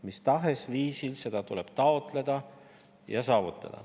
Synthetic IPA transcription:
mist̪ɑɦe̞sviːsilse̞d̪̥ɑt̪uleb̥t̪ɑo̞t̪ˑle̞d̪̥ɑ | jɑ̰sɑːvut̪ːˑɑ̰d̪̥ɑ̰

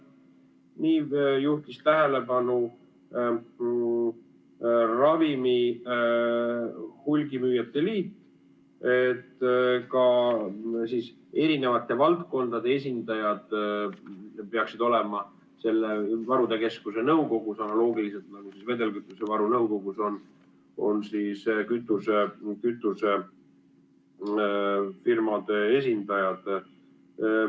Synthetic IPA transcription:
niːjuht̪ist̪æɦele̞bɑnu | rɑvimi | hulʲɡimyːjet̪ːeliːt̪ː | e̞t̪ːkɑ | siːs | e̞ɾine̞vɑt̪ːˑe̞vɑlt̪ko̞nd̪̥ɑd̪e̞es̬ʲind̪ɑjɑd̪̥ | pe̞ɑksid̪̥o̞le̞mɑ | se̞lːevɑɾud̪̥e̞ke̞skuse̞nɤuko̞ɡ̥usɑnɑlo̞ːɡilis̬elt̪nɑɡ̥usisve̞d̪e̞lkyt̪ːˑuse̞vɑɾunɤwko̞ɡ̥uso̞n | o̞̰nsiːskyt̪ːˑusekyt̪ːˑuse̞ | firmɑd̪̥e̞e̞sʲind̪̥ɑjɑd̪̥

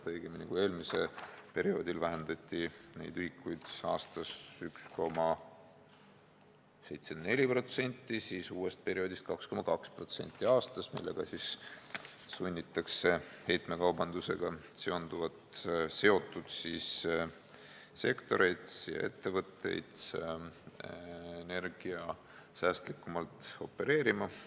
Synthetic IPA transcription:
t̪ɤjɡ̥emnikue̞ːlmise̞̰lpe̞ɾio̞ːd̪ilvæɦend̪ɑt̪ʲːinḛjd̪̥yhikˑːujd̪̥ɑːst̪ɑsyksko̞mɑ | se̞jt̪senne̞lʲipro̞t̪se̞nʲt̪ʲˑːisisuːe̞st̪̚pe̞ɾio̞d̪ʲist̪̚kɑksko̞mɑkɑkspro̞t̪se̞̰nʲt̪ʲˑːiɑːst̪ɑsmḭlːe̞̰ɡ̥ɑsis | sunʲːit̪ːˑɑkse̞he̞jt̪me̞kɑwbɑnd̪̥use̞̰ɡ̥ɑse̞o̞nd̪uvɑt̪se̞o̞t̪ːˑud̪̥siːs | se̞kt̪o̞ɾe̞jd̪̥sjɑ̰ʔe̞t̪ːe̞vɤt̪ːˑe̞̰jd̪̥ | ene̞rɡ̥iɑ | sæːst̪likːˑumɑlt̪o̞̰pːe̞ɾe̞ːɾimɑ

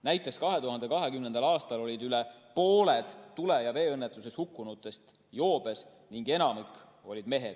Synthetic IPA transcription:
næjt̪ːˑekskɑɦe̞t̪uɦɑnd̪e̞kɑɦe̞kymnend̪̥ɑlɑːst̪ɑlo̞lʲid̪ylepo̞ːle̞d̪̥t̪ːule̞jɑve̞ːɤnːet̪ːˑuse̞shukːunut̪ːˑe̞st̪ | jo̞ːb̥e̞s | niŋɡ̥e̞nɑmik | o̞lʲid̪̥me̞ɦe̞̰d̪̥

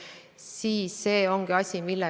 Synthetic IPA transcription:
siːsːe̞ːo̞ŋɡ̥iɑsʲimilːe

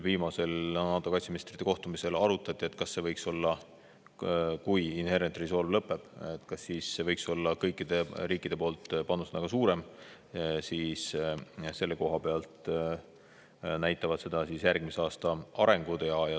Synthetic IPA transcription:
viːmɑse̞lnɑːt̪ːˑo̞kɑjtsiminist̪rit̪ːeko̞ht̪umise̞lɑɾut̪ːˑɑt̪ʲːˑie̞t̪ːˑkɑsːe̞vɤjkso̞lːɑ | kujinhe̞ɾent̪riso̞ːlvlɤpːˑe̞b̥et̪ˑkɑsːiːsːe̞vɤjkso̞lːɑkɤjkːˑid̪̥e̞ɾiːkːˑid̪̥e̞po̞ːlt̪pɑnːusnɑɡ̥ɑsuːɾe̞m | siːsse̞lːe̞ko̞ɦɑpe̞ɑlt̪ | næjt̪ˑːɑvɑd̪̥se̞d̪̥ɑsisjærɡ̥miseɑːst̪ɑɑɾe̞ŋɡ̥ud̪̥jɑjɑ

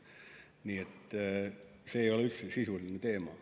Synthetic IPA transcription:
niːet̪ː | se̞ːjo̞leyt̪sesisulinet̪e̞ːmɑ

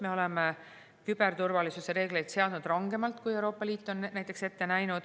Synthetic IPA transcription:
me̞o̞le̞me | kyb̥e̞ɾt̪urvɑlisuse̞ɾe̞ːɡ̥le̞jt̪se̞ɑd̪nud̪̥rɑŋɡ̥e̞mɑlt̪kuje̞wɾo̞ːpːˑɑliːt̪ːˑo̞nːæjt̪ːˑekse̞t̪ːe̞næjnud̪̥

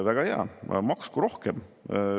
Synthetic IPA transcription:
væɡ̥ɑheɑ̰mɑkskuɾo̞hkem

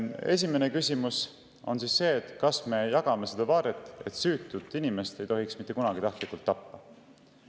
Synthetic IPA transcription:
e̞s̬ʲime̞ne̞kysʲimus | o̞̰nsiːsːe̞ːt̪kɑsme̞jɑɡ̥ɑme̞sed̪̥ɑvɑːɾet̪ːˑe̞̰t̪syːt̪ːˑut̪ːˑinime̞st̪e̞jt̪o̞ɦiksmit̪ːˑe̞kunɑɡit̪ɑht̪likːˑult̪ːɑpːɑ

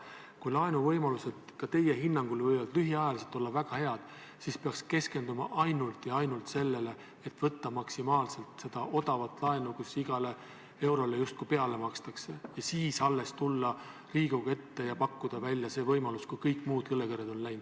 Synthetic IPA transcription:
kujlɑenuvɤjmɑluse̞d̪̥kɑt̪e̞jːe̞ɦinːɑŋɡ̥ulvɤjvɑd̪̥lyɦiɑjɑliset̪ːˑo̞lːɑvæɡ̥ɑhe̞ɑd̪̥ | sispeɑkske̞ske̞nd̪̥umɑ̰ʔɑjnult̪jɑɑjnult̪se̞lːe̞le̞ | et̪ːˑvɤt̪ːɑmɑksimɑːlse̞lt̪se̞d̪̥ɑʔo̞d̪̥ɑvɑt̪ːˑlɑenukusiɡ̥ɑle̞ | e̞wɾo̞le̞just̪̚kujpe̞ɑle̞mɑkst̪ɑkse̞jɑsiːsɑlːe̞st̪ulːɑ | riːɡ̥uɡe̞t̪ːe̞jɑpɑkːud̪̥ɑvælʲjɑse̞ːvɤjmɑluskujkɤjkːˑmuːd̪̥kɤlːekeɾed̪o̞nlæjnd̪̥

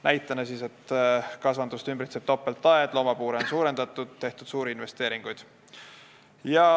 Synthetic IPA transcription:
næjt̪ːˑɑnesiːse̞t̪kɑsvɑnd̪ust̪ymbrit̪seb̥t̪o̞pːˑelt̪ːˑɑed̪̥lo̞ːmɑpuːɾeonsuːɾe̞nd̪ɑt̪ːˑud̪̥t̪e̞ht̪ud̪̥suːɾiinve̞st̪e̞ːɾiŋɡ̥ujd̪̥ | jɑ

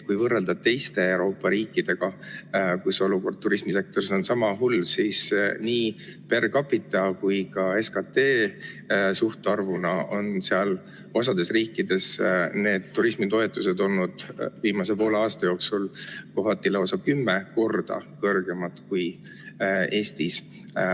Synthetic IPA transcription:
kujvɤrːeld̪̥ɑb̥̚t̪e̞jst̪e̞ewɾo̞ːpˑːɑɾiːkːˑid̪̥e̞ɡ̥ɑkuso̞luko̞rd̪̚t̪ːuɾismise̞k̚t̪o̞ɾiso̞nsɑmɑɦulsiːsniːpe̞rkɑpːˑit̪ːˑɑkujkɑe̞skɑt̪e̞ː | suht̪ɑrvunɑo̞nseɑl | o̞sɑd̪̥e̞sriːkːˑid̪̥e̞sne̞ːd̪̥̚t̪ːuɾismit̪o̞e̞t̪ːˑuse̞d̪o̞lnud̪̥viːmɑse̞po̞ːleɑːst̪ɑjo̞ːksulko̞ɦɑt̪ːilo̞sɑkymːe̞ko̞rd̪̥ɑ̰kɤrɡ̥e̞mɑt̪kuj | e̞ːst̪is

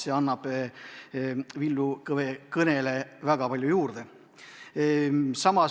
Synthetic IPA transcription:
eɑnːɑb̥ | vilːukvekɤnele̞væɡ̥ɑpɑlʲjujuːrd̪̥e | sɑmɑ

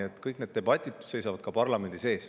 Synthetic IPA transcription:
et̪ːˑkɯjk̚ne̞d̪t̪e̞bɑt̪ʲːˑid̪̥se̞jsɑvɑd̪̥̚kɑpɑrlɑme̞nd̪ise̞ːs

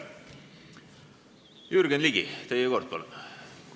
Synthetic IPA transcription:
jyrɡ̥enliɡ̥it̪ejekort̪̚pol

